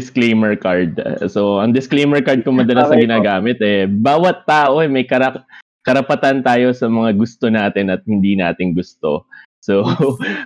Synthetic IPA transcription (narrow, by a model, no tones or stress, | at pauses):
ɪsklejmɛɹkaɹd̪̚so̞ʔɐŋd̪ɪsklejmɛɹkaɹd̪̚kʊŋmɐd̪ɐlasnɐɡɪnaːɡaːmɪt̪ʔɛbaːwɐt̪ːaːʔo̞ɛmɐjkɐɾɐ | kɐɾɐpɐt̪ant̪aːjo̞sɐmɐŋaɡʊst̪o̞naːt̪ɪnɐt̪̚hɪnd̪inaːt̪ɪŋɡʊst̪o̞̰ | so